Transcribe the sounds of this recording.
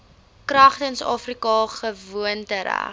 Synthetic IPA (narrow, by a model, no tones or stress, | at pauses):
krɐχtənsɑ̰ːfrikɑχəvuəntəɾæ̰